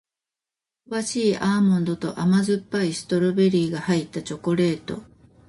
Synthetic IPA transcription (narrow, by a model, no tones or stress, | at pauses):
βaɕiːʔaːmɯ̃nd̪o̞t̪o̞̰ʔamazɨpːaisɨ̥t̪o̞ɾɯ̟be̞ɾʲiːɡahait̪ːat͡ɕo̞ko̞ɾe̞ːt̪o̞̰